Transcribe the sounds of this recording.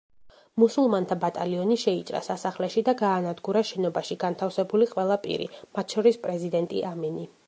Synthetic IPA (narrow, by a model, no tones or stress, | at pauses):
musulˠmant̪ʰabat̪ʼaliɔniʃɛitt͡ʃ̪ʼɾa̰sasaχlɛʃid̪aɡaːnad̪ɡuɾaʃɛnɔbaʃiɡ̥ant̪ʰafsɛbuliqʼwɛlˠapʼḭɾḭmat̪ʰʃɔɾispʼɾɛzid̪ɛnt̪ʼḭʔamɛni